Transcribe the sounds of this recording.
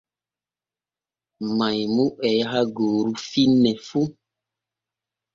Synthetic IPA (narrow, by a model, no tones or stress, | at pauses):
mãjmũʔɛjɦaɡoɾufinɛfu